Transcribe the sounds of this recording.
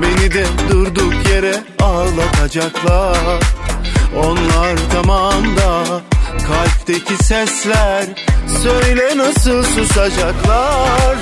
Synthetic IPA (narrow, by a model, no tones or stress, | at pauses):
be̞nid̪ɛd̪uɾd̪ukʰje̞ɾɛ | alˠːat̪ʰad͡ʒaklˠaɾ | o̞nlˠaɾt̪ʰamamd̪akʰalʲp̚t̪ʰecʰisɛslʲæɾ | søjlʲɛnasɯlˠsusad͡ʒaklˠaɾ